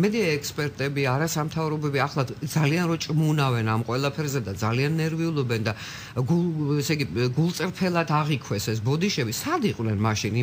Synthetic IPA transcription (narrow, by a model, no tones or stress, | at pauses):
mɛd̪iaɛkʰspʼɛɾt̪ʼɛbiaɾasamt̪ʰavɾɔbɛbiaχlˠad̪zalianɾɔt͡ʃʼmunavɛnamqʼwɛlˠapʰɛɾzɛd̪ad̪zalianːɛɾviulˠɔbɛnd̪a | ɡuɛsɛɡiɡulˠt̪sʼɾpʰɛlˠad̪ʰaʁikʰwɛsɛs̬bɔd̪iʃɛbisad̪iqʼwnɛnmaʃini